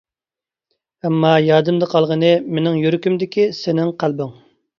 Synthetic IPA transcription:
ɛmːɑjɑːd̪ɨmd̪əqʰɑlˠʁənɨmenɪŋjyɾykʲymd̪ɪkʲisɪnɪŋqʰælˠbɨŋ

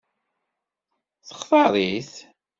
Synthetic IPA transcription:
θə̥χθɑðˤiθ

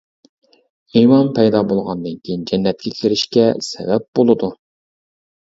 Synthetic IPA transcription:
imɑnpʰɛjd̪ɑbolˠʁɑnd̪ɨnkʲʰijind͡ʒɛnːɛt̪̚kʲɛkʲʰɪɾɪʃkʲɛsɛ̰vɛp̚b̥olˠɨd̪u

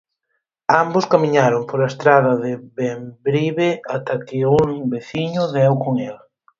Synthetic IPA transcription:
ambʊskamiɲaɾʊmpoɾaest̪ɾaðɐðɪβembɾiβeat̪akɪuŋbeθiɲʊðɛwkoŋel

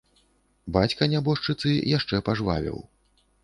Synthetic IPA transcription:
bat͡sʲkɐnʲabɔʂt͡ʂɨt̪sɨjaʂt͡ʂɛpaʐva̰vʲḭw

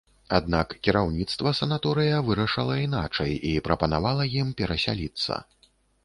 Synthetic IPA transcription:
ad̪nakkʲiɾawnʲit̪st̪vɐsɐnat̪ɔɾɨjɐvɨɾɐʂɐlˠɐina̰t͡ʂɐ̰jipɾɐpɐnavalˠɐjimpʲɛɾɐsʲa̰lʲit̪sːɐ̰

